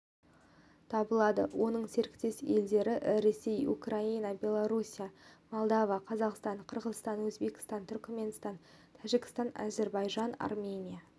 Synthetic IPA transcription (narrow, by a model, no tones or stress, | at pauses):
t̪ʰɑbəlˠɑd̪əwʔo̞nəɴse̞ɾɪkt̪e̞se̞ld̪e̞ɾɪɾe̞se̞jṵkrainɑbʲe̞lˠoɾusʲijamolˠd̪ɑvɑqʰɑzɑqst̪ɑɴqʰəɾʁəzst̪ɑnwɵzbe̞kʲɪ̥st̪ɑnt̪ʰʏɾkʲme̞nst̪ɑn | t̪ʰæʒɪkʲɪ̥st̪ɑnɑ̰ze̞ɾbɑjʒɑnɑ̰rmʲe̞nʲija